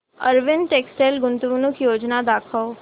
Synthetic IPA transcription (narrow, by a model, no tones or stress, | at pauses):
ɐɾʋɪnʈeːksʈelɡʊ̃nt̪ʋunũkijoːd͡ʒnad̪aːkʰəo